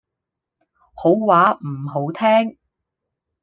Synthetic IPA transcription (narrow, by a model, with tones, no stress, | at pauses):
ho˨˥wwaː˨˥m̩˨˩ɦo˨˥wt̪ʰɛː˥ŋ